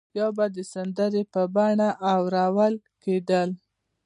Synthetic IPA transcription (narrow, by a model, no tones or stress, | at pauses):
jawbad̪əsand̪əɾepəbɑɳaʔawɾɑwal | ked̪əl